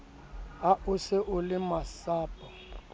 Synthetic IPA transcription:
aʔʊsɪʔʊlɪmasaːpʼɔ

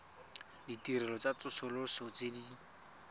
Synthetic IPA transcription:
ditirɛlɔt͡sat͡sʊsʊlʊsɔt͡sedi

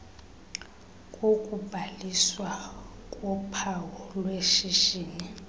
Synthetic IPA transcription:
kʼokʼubʱaliswakʼɔpʰawɔlweʃiʃiːni

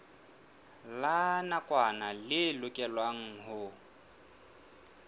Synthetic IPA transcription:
lanakʼwanalɪlʊkʼɛlwaŋ̩ɦʊ

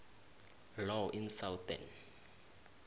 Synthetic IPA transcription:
lɔʔinsawtɛ̰n

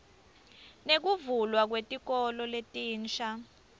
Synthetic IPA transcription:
nek̬uvulwak̬wetʼik̬ʼɔlɔletʼiːnt͡ʃʰa

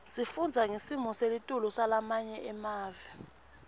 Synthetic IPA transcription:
sifund͡zʱaŋesimɔselitʼulusalamaɲɛʔɛmaːvɛ

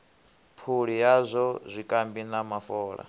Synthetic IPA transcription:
pʰuɺijazʷɔzʷikʼambinamafɔːɺa̰

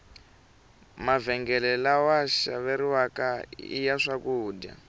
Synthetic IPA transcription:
mavɛŋɡɛlɛlawaʃa̰βeɾiwakaḭjaʂakuːdja̰

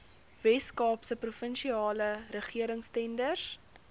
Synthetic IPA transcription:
vɛskɑːpsəprufənʃiɑːləɾəχiəɾəŋstɛndərs

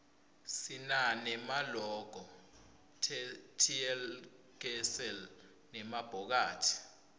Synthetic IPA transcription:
sinanɛmalɔɡ̥ʱɔ | tʰiɛl | ɡ̥ɛsɛl | nɛmab̥ʱɔk̬aːtʰi̥

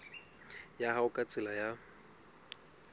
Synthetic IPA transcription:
jahaʊkʼat͡sʼɪlaja

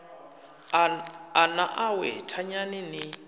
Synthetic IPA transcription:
anaʔawɛtʰaɲanɪnɪ

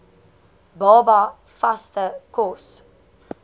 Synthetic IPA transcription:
bɑːba | fastəkɔs

